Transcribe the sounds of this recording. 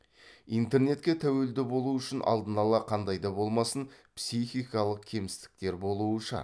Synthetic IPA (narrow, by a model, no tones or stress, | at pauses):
ijnt̪e̞ɾne̞t̪kʲe̞t̪ʰæwe̞ld̪ɪbo̞lˠuʏʃɪnʔɑ̰lˠd̪ənɑlˠɑqʰɑnd̪ɑjd̪ɑbo̞lˠmɑsənpsijxʲijkɑlˠəq̚kʲʰe̞mɪst̪ɪ̥k̚t̪e̞ɾbo̞lˠuəʃə̰